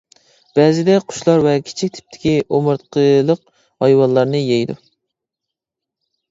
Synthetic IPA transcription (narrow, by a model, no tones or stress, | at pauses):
b̥ɛːzɪd̪ɛqʰʊ̥ʃlˠɑɾvɛkʲʰi̥t͡ʃʰik̚ʲt̪ʰɪ̥p̚t̪ʰɪ̥kʲiʔomɨɾt̪qʰəlˠəq | hɑjwɑnlˠːɑɾnɨjejd̪ṵ